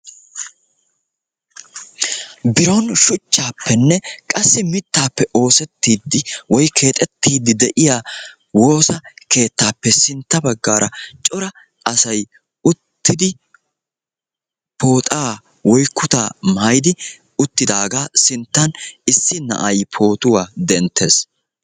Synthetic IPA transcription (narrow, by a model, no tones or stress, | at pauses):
bɪɾɔnʃʊt͡ʃːaːpːɛnːɛkʼɐsːɪmɪt̪ːaːpːɛʔo̞ːsɛt̪ːiːd̪ːɪwɔjkʰe̞ːt̪ʼɛt̪ːiːd̪ːɪd̪ɛʔɪjaː | wo̞ːsɐke̞ːt̪ːaːpːɛsɪnt̪ːɐbɐɡːaːɾʔɐt͡ʃʼɔɾɐ | ɐsɐj | ʊt̪ːɪd̪ɪ | pʰo̞ːt̪ʼaː | wɔjkːʊt̪aːmaːjd̪ɪ | ʊt̪ːɪd̪aːɡaːsɪnt̪ːɐnɪsːɪnɐ̰ʔɐjpʰo̞ːt̪ʊwaːd̪ɛnt̪ʰːḛːs